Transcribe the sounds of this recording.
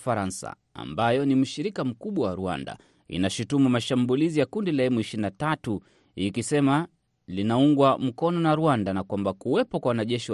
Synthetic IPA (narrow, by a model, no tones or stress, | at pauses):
faɾansa̰ | a̰mbajɔnim̩ʃiɾikam̩kuɓwawaɾua̰nda̰ | ḭnaʃutumumaʃambulizijakundilaɛmuiʃinatatu | ikisɛma | linauŋɡwam̩kɔnɔnaɾuandanakwambakuwɛpɔkwawanaʄɛʃi